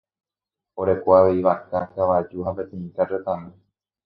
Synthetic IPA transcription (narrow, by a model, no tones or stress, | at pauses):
oɾekwaʋiʋakakaʋad͡ʒuɦapet̪ẽĩkaɾet̪ãnɨ̃